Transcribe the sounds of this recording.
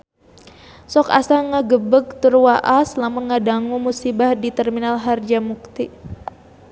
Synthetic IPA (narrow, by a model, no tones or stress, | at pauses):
sɔka̰saŋaɡəbəɡ̚t̪urwaʔaslamaŋadaŋumusibahdit̪ərminalɦard͡ʒamuk̚t̪i